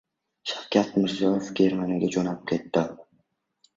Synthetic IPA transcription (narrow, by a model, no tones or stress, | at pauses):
ʃawkʲat̪mɪɾziɒefɡʲeɾmanɪɡʲad͡ʒonaɪp̚kʰʲe̞t̪ːɪ